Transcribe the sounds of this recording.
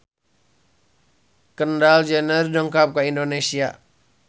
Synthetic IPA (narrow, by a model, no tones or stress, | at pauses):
kəndald͡ʒɛnərdɔŋkap̚kaindonesia̰